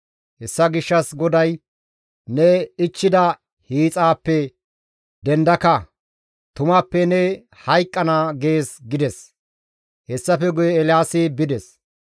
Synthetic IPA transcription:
hɛsːɐɡɪʃːɐsɡɔd̪ɐj | nɛɪt͡ʃːɪd̪ɐ | hiːt͡sʼaːpːɛ | d̪ɛnd̪ɐkɐ | t̪ʊmapːɛnɛ | hɐjkʼːɐnaːɡe̞ːsɡɪd̪ɛs | hɛsːɐfɛɡʊjɛːlɪjaːsɪbɪd̪ɛs

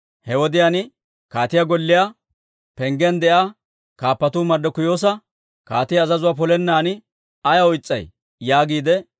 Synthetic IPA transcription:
hɛwɔd̪ɪjaːnɪ | kaːt̪ɪjaɡɔlːɪja | pɛŋɡɛnd̪ɛʔa | kaːpːɐt̪uːmɐɾd̪ɔkʊjo̞ːs̬ɐ | kaːt̪ɪjɐːzɐzʊwaːpɔlɛnːaːnɪ | ɐjɐɔjt͡sʼːɐj | jaːɡiːd̪ɛ

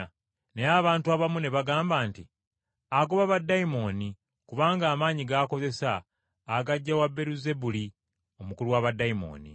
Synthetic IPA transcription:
neaβaːntuaβamune̞βaɡaːmbaːnti | aɡoβaβadːaimo̞ni | kuβaːŋɡaːmaːɲiɡako̞ze̞saː | ɡaɟːawabːe̞ɾuze̞buli | o̞mukuluwaβadːaimo̞̰ːnḭ

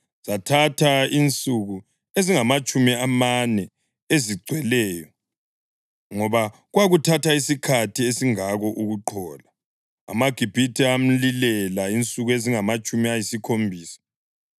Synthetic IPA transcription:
zatʰatʰaint͡sʼuɣu | eziŋamat͡ʃʼumiamanɛ | eziɡ͡ǀʱwɛlɛːjɔ | ŋɔβaɣwaɣutʰatʰaisikʰatʰiesiŋaɣɔʔuɣuǃʰɔːla | a̰maɡ̥ʱib̥ʱitʰiam̩lilɛlaint͡sʼuɣueziŋamat͡ʃʼumiajisikʰombʱiːsḁ

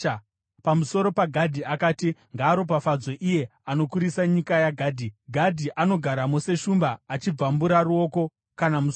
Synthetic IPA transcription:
pamuso̞ɾo̞paɡʱadʱiakaːtiŋɡaːɾo̞pafad͡zo̞ʔije̞ano̞kuɾisaɲikajaɡʱaːdʱiɡʱadʱiʔano̞ɡʱaɾamose̞ʃumbaːt͡ʃib͡vambuɾaruo̞ːko̞ | kanamus

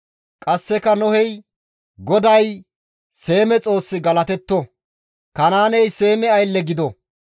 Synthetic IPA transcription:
kʼɐsːɛkɐnɔhɛj | ɡɔd̪ɐj | se̞ːmɛt͡sʼo̞ːsːɪɡɐlɐt̪ɛt̪ːɔ | kɐnaːnɛjse̞ːmɛɐjlːɛɡɪd̪ɔ

